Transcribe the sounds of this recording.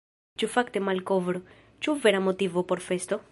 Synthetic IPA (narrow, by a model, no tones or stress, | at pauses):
t͡ʃufakte̞malkovɾo | t͡ʃuveɾamo̞tivopo̞ɾfe̞st̪o̞